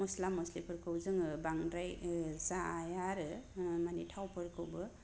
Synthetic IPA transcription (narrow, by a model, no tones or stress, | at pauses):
mɔslamːɔslipʰɯɾkʰɯwzɯŋɯbaŋɾajzaːjaɾɯmanitʰawpʰɯɾkʰɯwbɯ